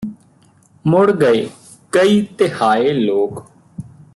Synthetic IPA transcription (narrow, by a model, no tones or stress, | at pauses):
mʊɽɡəeː | kəiːt̪ɪhaːeːloːk